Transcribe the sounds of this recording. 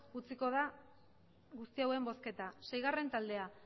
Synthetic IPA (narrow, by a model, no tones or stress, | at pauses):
ɣut͡siko̞ð̞a | ɣust̪iawe̞mbo̞ske̞t̪asejɣ̞are̞nt̪ald̪e̞a